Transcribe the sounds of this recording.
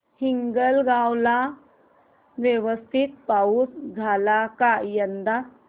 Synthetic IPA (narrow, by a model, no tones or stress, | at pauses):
hiŋɡəlɡãwla | ʋjəʋəst̪ʰit̪̚pausd͡zʱalakajənd̪a